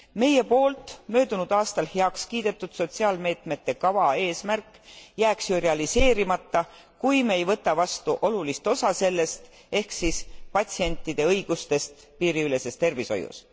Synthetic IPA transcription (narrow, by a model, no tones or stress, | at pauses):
me̞je̞po̞ːlt̪ˑmø̞ːd̪̥unud̪̥ɑːst̪ɑlheɑkskiːd̪̥e̞t̪ːˑud̪̥so̞t̪siɑlme̞ːt̪me̞t̪ːe̞kɑvɑe̞ːsmærkːˑjæːksjureɑlise̞ːɾimɑt̪ːɑ | kujmeejvɤt̪ːˑɑvɑst̪uʔo̞lulist̪o̞sɑse̞lːe̞st̪ | e̞hksispɑt̪ʲsie̞nʲt̪ːˑid̪̥e̞ɤ̞jɡ̥ust̪e̞st̪ | piːɾiyle̞se̞st̪e̞rviso̞̰jṵs